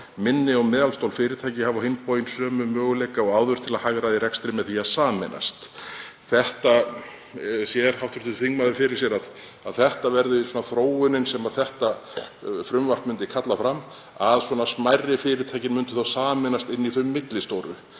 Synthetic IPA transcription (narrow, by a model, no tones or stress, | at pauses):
mɪnːɪɔmɛːðalst̪owlfɪːɾɪt̪ʰajcɪhavahejnpojɪnsœːmʏmœːɣʏlejkaɔɣaːwðʏɾ̥t̪ʰɪlaðhaɣɾaðiɾɛkst̪ɾɪmɛðθiaðsaːmɛ̰na̰st̪ | θɛht̪a | sjɛɾ̥hawt̪vɪɾ̥ʰt̪ʏθiŋmaðɪfɪɾɪɾ̥s̬jɛɾað | aðθɛht̪avɛɾðɪswɔnaθɾoːwʏnɪnsɛmaðθɛht̪a | fɾʏmvar̥pmʏnt̪ɪkʰat̪lafɾam | aðswɔːnasmajrːɪfɪːɾɪt̪ʰajcɪnmʏnt̪ʏ̥θawsaːmɛnast̪ɪnːiθœɥmːɪt̪lɪst̪oːwɾʏ̰